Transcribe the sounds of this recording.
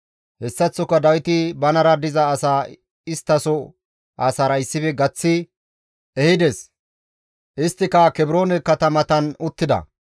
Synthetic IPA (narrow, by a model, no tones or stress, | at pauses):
hɛsːɐt͡sːɔkːɐd̪ɐwɪt̪ɪbɐnɐɾɐd̪ɪzɐːsaː | ɪst̪ːɐsɔ | ʔasɐɾɐɪsːɪbɛɡɐt͡sːɪ | ɛhɪd̪ɛs | ʔɪst̪ːɪkɐkɛbɪɾo̞ːnɛkɐt̪ɐmɐt̪ɐnʊt̪ːɪd̪ɐ̰